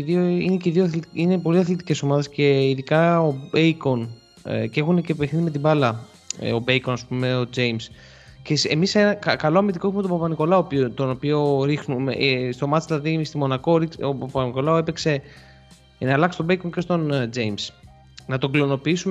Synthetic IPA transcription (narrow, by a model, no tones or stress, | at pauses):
ðioineceðioθinepo̞liɐθlit̪ice̞so̞mɐðe̞sce̞iðikɐobeikon̰ | ce̞xunecepexθime̞t̪̬ibɐlɐ̰ | o̞beiko̞nɐspumeo̞d͡ze̞jms | cesemisenɐkɐkɐlo̞ɐmit̪iko̞ume̞t̪obɐpɐniko̞lɐopt̪o̞nopio̞ɾixnumḛst̪o̞mɐsðilɐðist̪imo̞nɐko̞ɾikopɐpɐniko̞lɐoepekse̞ | nɐlɐkst̪o̞beiko̞nce̞st̪o̞nd͡ʒejms | nɐt̪oɡlono̞piisume